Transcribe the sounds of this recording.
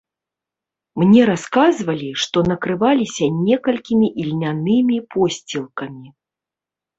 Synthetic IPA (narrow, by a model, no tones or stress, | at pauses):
mnʲɛɾaskazvɐlʲiʂt̪ɔnɐkɾɨvalʲisʲɐnʲɛkɐlʲkʲimʲiʔilʲnʲanɨmʲipʰɔsʲt͡sʲilˠkɐmʲi